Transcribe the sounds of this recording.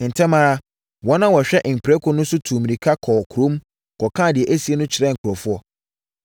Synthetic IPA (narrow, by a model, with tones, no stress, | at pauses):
n̩˨tʰɛ̃˦mã˦ɾa˦ | wɔ̃˦nã˦wɔ˨ɕᶣɛ˦ʔm̩˨pʰi˨ɾɛ˦kʰʊ˦nʊ̃˦sʊ˦tʰũː˨mĩ˨ɾi˨kʰa˦kʰɔ˨kʰu˨ɾõ˦m˦ | kʰɔ˨kʰãː˦˨dɪ˨ɛ˨ʔæ˦si˦e˦nʊ̃˦t͡ɕʰɪ˨ɾɛ̃˦˨ŋ̩˨kʰʊ˨ɾɔ˨fʊ˦ɔ˦